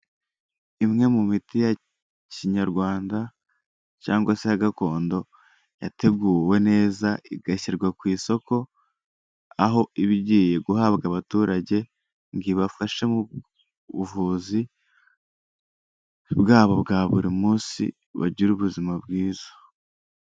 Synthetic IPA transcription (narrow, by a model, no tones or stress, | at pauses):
imŋe̞mumitija | ciɲaɾɡwaːnda | caːŋɡwasejaɡako̞ːndo̞ | jate̞ɡuːɾwe̞ne̞ːzaiɡaçiɾɡwakwiːso̞ko̞ | aɦo̞iβiɟiːje̞ɡuɦaβɡaβatuːɾaɟe̞ | ŋɡiβafaʃe̞mu | uvuːzi | bɡaːβo̞βɡaːβuɾimuːsḭ | βa̰ɟiɾuβuzimabɡiːz̥o̥